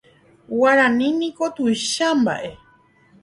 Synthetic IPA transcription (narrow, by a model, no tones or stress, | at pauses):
waɾãnĩnĩko̞t̪ujʃamba̰ʔe